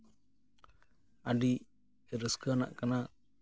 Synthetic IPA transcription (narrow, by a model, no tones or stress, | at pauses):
aɖi | ɾəskəna̰ʔkana